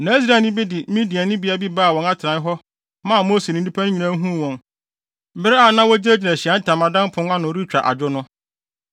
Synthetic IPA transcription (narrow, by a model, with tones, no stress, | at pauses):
nã˨˦i˦sɾaː˨˦˨nɪ̃˦bɪ˦dɪ˨˦mĩ˦di˨a˨nɪ̃˦bi˦a˨bi˦baː˦˨wɔ̃˨na˦tʰɾã˨˦ɦɔ˦ | mã˦˨moː˦se˨nĩ˨˦di˦pʰæ˦nʊ̃˦ɲĩ˨nã˦ɦũ˦˨wɔ̃˨n | m̩˨˦bɪ˦ɾɪ˦a˨˦nã˦wɔ˦d͡ʑe˦d͡ʑi˨nã˨ɕi˨a˨˦n̩˦tʰã˨mã˨dã˦m˦pʰʊ̃˦n˦a˦nʊ̃˨˦ɾi˦t͡ɕᶣɾa̰˨ʔa̰˨d͡ʑᶣʊ˦nʊ̃˦